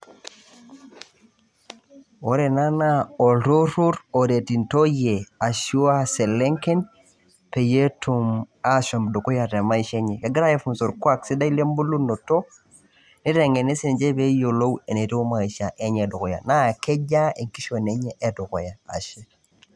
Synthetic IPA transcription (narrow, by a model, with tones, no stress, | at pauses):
wo˦ɾe˨na˦na˦o˨ɬo˦ɾu˦ɾo˨de˨ti˨nto˦je˨a˨ʃu˦a˦se˨le˦ŋke˦n | pe˨je˦tu˨ma˦ʃo˨mbdo˨ko˦ja˨te˨ma˦i˨ʃe˦ɲe˨ke˨ɡi˦ɾa˦je˨fu˨nso˨ɾkwa˦ksi˦da˦i˦le˦mbu˦lu˦no˨to˦ | ni˦ɾe˨ŋe˨ne˦se˨nd͡ʒe˦be˦jo˨lo˦we˨ne˨ti˦u˦ma˨i˨ʃa˨ʔe˦ɲe˨du˨ko˨ja̰˨na˦˨ke˦d͡ʒa˦e˨ŋki˦ʃo˨ne˦ɲe˦ʔe˨du˨ko̰˨ja˨a̰˨ʃe˦